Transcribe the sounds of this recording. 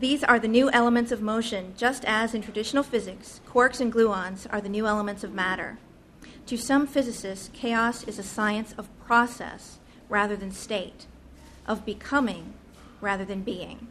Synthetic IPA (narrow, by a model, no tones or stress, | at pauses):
ðizə˞ðɨnʉʔɛlˠəmɨ̃ntsʌvmoʊʃɨ̃nd͡ʒʌstɨzɨ̃ntʰɹ̥ɨdɪʃn̩l̩ˠfɪzɨkskʰɔɹksɨ̃nɡlʉɑ̃nzə̰˞ðɨnʉɛlˠəmɨ̃ntsʌvmæɾə̰˞ | tʰɨsʌ̃ɱfɪzɨsɪskʰeɪɑsɨzɨsaɪɨ̃nsʌv̥pʰɹ̥ɔsɛ̰s | ɹæðə˞ðɨ̃nsteɪɾ | ʔʌvbɨkʰʌmɪ̃ŋ | ɹæðə˞ðɨ̃nbiɪ̰̃ŋ